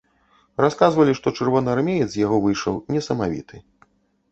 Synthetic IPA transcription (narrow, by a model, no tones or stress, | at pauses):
raskazvɐlʲiʂt̪ɔt͡ʂɨrvɔnɨarmʲejɛt̪zʲjaɣɔvɨjʂɐ̰wnʲɛsɐmavʲḭt̪ɨ